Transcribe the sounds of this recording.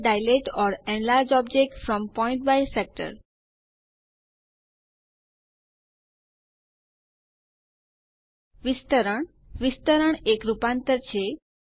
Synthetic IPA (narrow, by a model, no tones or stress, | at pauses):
ɖajleʈɔɾɛ̃nlaɾd͡ʒɔbd͡ʑek̚ʈfɾɔ̃mpɔɪ̃ɳʈ̚bajsɛk̚ʈə̰ɾ | ʋist̪əɾəɳ̃ | ʋist̪əɾəɳekɾupãnt̪əɾt͡ɕʰe